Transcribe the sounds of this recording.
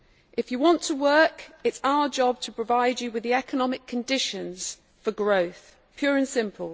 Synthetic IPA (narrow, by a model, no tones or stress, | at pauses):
ʔɪfjəwɒ̃ntʰəwɜˑkɪtsaʊəd͡ʒɒb̚tʰəpʰɹ̥əvaɪd͡ʒəwɪðiɛkənɒmɪkʰə̃ndɪʃə̃nz̥ | fəɡɹəʊθ | pʰj̥ɔːɹə̃nsɪ̃mpʰəlˠ